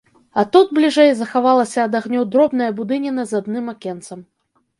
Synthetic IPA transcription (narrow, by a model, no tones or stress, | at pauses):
ɐt̪ud̪̚blʲiʐɛjzɐxavalˠɐsʲɐːd̪aɣnʲɔwd̪ɾɔbnɐjɐbud̪ɨnʲinɐzad̪nɨmakʲɛnt̪sɐm